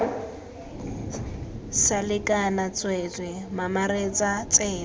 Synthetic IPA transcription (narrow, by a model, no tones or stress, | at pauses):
salɪkʼanat͡sʼwet͡sɪmamaɾet͡sʼat͡seː